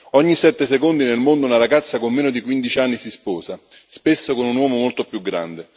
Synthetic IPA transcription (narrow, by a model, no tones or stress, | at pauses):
ɔɲːisɛt̪ːesekond̪inelmond̪ʊunaɾaɡat̪sːakomːeːnod̪ikwind̪it͡ʃianːisispɔːza | spesːokonunwɔːmomolt̪opjuɡːɾa̰nd̪e